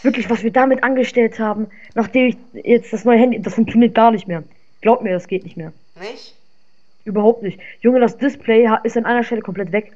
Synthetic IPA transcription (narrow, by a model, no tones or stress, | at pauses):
vɪɐklɪçv̥asv̥iːɐdaːmɪtʔanɡəʃtɛlthaːbm̩ | naːχd̥eːmɪçjɛt͡std̥asnɔʏəɦɛndidasfʊŋk̚t͡sjoniːɐt̚ɡ̥aːɐnɪçtmeːɐ | ɡ̥laʊb̚əmiːɐdasɡ̥eːtnɪçtmeːɐ | ʔyːbɐhaʊp̚tnɪçtjʊŋədasd̥ɪspʰlɛɪɦaʔɪstanʔaɪnɐʃtɛləkʰɔmpl̥ɛtv̥ɛk